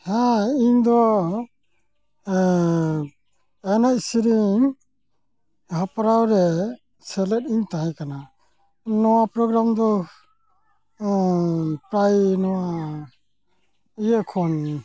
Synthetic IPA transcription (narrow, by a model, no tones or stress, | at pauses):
hajiɲd̪ɔ | ɛnaʔsiɾiŋ | hapaɾawɾɛ | sɛlɛtiɲt̪aɦajkana | nɔwapɾɔɡɾamd̪ɔ | pɾajnɔwa | ijɛkʰɔn